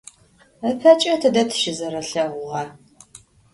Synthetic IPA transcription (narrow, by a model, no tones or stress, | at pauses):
əpʰɐt͡ʃʼɐtʰɨdɐtʰɨ̥ʃɪzɐɾɐɬɐʁʷʊʁɐ